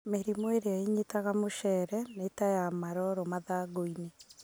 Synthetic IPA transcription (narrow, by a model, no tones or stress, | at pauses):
meɾimoeɾeaiɲitaɣamoʃɛɾɛnetajamaɾɔɾɔmaðaːɡoine